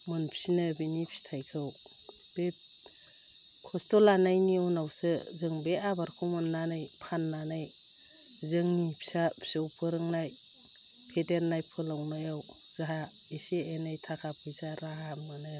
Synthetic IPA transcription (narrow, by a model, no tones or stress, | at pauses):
mɯnpʰisinɯbinipʰisi̥tʰajkʰɯw | b̥e | kʰɔstɔlanajniunawsɯzɯŋbeabaɾkʰumɯnːanajpʰanːanaj | zɯŋnipʰisapʰi̥sɯwpʰɯɾɯŋnaj | pʰeteɾnajpʰɯlawnajaw | z̥aɦa | eseenajtʰakʰapʰɯjsaɾaɦamɯnɯ